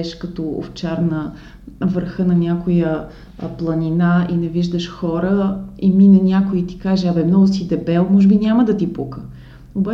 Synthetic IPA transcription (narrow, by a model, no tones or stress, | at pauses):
ɛʃkɐt̪ɔo̰ft͡ʃaɾnə | vəɾxənɐnʲjakʊjə | plˠɐnʲinainɛviʒd̪əʃxɔɾəiminɛnʲakʊit̪i̥kaʒɛɐbɛmnɔɡʊsid̪ɛbɛlˠmɔʒɛbinʲaməd̪ɐt̪ipukə | oba